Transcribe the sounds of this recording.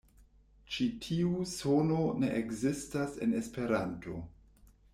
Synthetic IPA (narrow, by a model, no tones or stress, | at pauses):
t͡ʃitʰiusonone̞ʔekzistase̞ne̞spe̞ɾanto̰